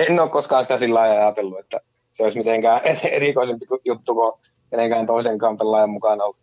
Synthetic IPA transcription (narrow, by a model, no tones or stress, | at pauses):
enːoːkkoskɑːnsi̥t̪æsilːɑiɑjɑt̪elːuet̪ːæ̰ | seoˑismit̪eŋkæːeḛrikoˑisempikujut̪ːuko | keneŋkæːnt̪oˑiseŋkɑːmpelːɑːˑjɑmmukɑnɑolː